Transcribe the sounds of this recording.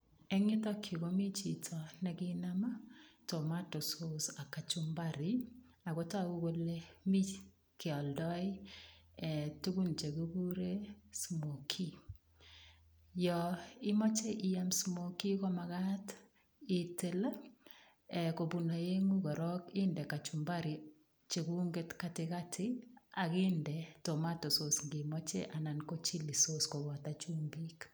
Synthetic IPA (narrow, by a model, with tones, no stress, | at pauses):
ɛ˦ŋɪ˦tɔ˦kʰi˨ko˦mi˦t͡ʃi˨tʰɔ˨nɛ˨ɡɪ˦na˦ma˦to˨ma˦to˨so˦sa˨ka˨t͡ʃu˦mba˦ɾɪ˦ | a˨ɡo˦ta˦˨u˦ɡo˦le˦mi˦ | kɪ˨ɔ˨ldɔ˦ɪ˦ɛ˨tu˦ɡu˦nt͡ʃe˨ɡo˦ɡu˦ɾe˦smo˨kʰi˦ | jɔ˨ɪ˦mɔ˦t͡ʃe˦ʔi˦ja˦msmo˨ki˦kɔ˦ma˨ɣa˦t | ɪ˨tɪ˦la˦ | ɛ˨ko˨bu˨na˨je˦ŋu˦ɡɔ˨ɾɔ˦kɪ˦ndɛ˨ka˨t͡ʃu˨mba˦ɾi˨ | t͡ʃe˨ɡu˦ŋɡe˦tka˨tɪ˨ka˦tʰɪa˨ɣɪ˦ndɛ˨to˨ma˦tɔ˨so˨sŋɡɪ˨mɔ˦t͡ʃḛ˦ʔa˨na˨nko˦t͡ʃi˦li˨soskɔ˨wɔ˨ta˦t͡ʃu˦ŋbi˦k